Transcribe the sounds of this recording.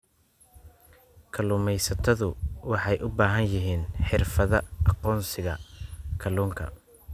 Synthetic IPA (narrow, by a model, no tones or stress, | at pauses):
kʰɐlʊːmɛjsɐt̪ʰɐðʊwɑħɑjʔʊbaːɦɐnjɪɦiːnħɪrfɐðɐɑqɔːnsɪɣɐkʰɐluːŋkʰɐ̰